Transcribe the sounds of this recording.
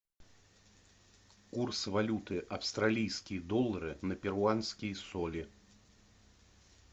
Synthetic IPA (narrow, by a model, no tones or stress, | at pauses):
kursvalʲut̪ɨʔawst̪ɾalʲijskʲijd̪ɔlˠːɐɾɨnɐpʲɛɾwansʲkʲijsɔlʲi